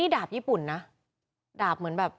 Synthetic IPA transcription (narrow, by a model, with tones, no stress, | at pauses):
iː˥˩daː˨˩p̚jiː˥˩pu˨˩nːa˦˥ | daː˨˩p̚mɯ˨˩˦nbɛː˨˩p̚